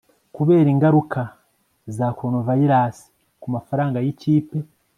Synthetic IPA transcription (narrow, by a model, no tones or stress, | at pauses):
kuβe̞ːɾiːŋɡaɾuka | zaːkwonovajiɾaːsi̥ | kumafaɾaːŋɡajiciːpe